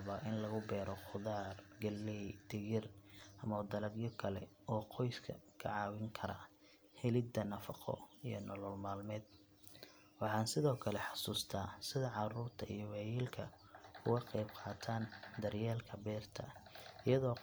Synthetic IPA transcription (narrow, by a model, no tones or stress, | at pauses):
βaʔɪnlɐɣʊbɛːɾɔqʊðaːrɡɐlɛjd̪̥ɛɣɪrʔɐmɐd̪ɐlɐɡjɔkʰɐlɛ̰ | ɔːqʰɔjskʰɐ̰kʰɐ̰ʕɑːwɪŋkʰɐɾɐ̰ | hɛlɪd̪ɐnɐfɑqʰɔ̰ijɞ̰nɔlɔlmaːlmɛːd̪̚ | wɑħɑːnsɪðɔːkʰɐlɛħɑsuːst̪ʰaːsɪðɐʕɑruːrt̪ʰɐḭjɔwɛːjiːlkʰɐ | kʰʊɣɐqɛjb̚qʰɑːt̪ʰaːnd̪ɐrjaːlkʰɐbɛːrt̪ʰɐ̰ɪjɐðɔː